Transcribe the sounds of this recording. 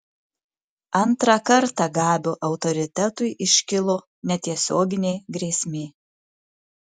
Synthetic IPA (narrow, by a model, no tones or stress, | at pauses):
ɐnt̪ɾɑkɐɾt̪ɑɡɑːbʲoːʔɐʊt̪ɔɾʲɪt̪ʲɛt̪ʊɪʔɪʃʲkʲɪlˠo | nʲɛt̪ʲiɛsʲoːɡʲɪnʲɛɪɡɾʲiːsʲmʲeː